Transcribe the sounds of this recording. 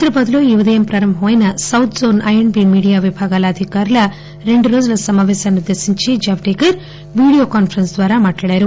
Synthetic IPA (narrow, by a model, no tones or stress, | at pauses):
it̪ɾɐbɐd̪loːjiʋɐd̪ejɐmpɾaːɾɐmbɦoːjɐnɐsɐwt̪ʰzoːnʔɐjeɳbimiːɽijaːʋibʱaːɡaːlɐːd̪ʱikaːɾɐlɐ | ɾeɳɖuɾoːd͡ʒɐlɐsɐmaːʋeːsɐnud̪ɐsiɲt͡ʃid͡ʒaːʋʈeːkɐɾ | ʋiːɽijoːkaːnpʰɐɾɐnsd̪ʋaːɾamaːʈɐɭeːɾu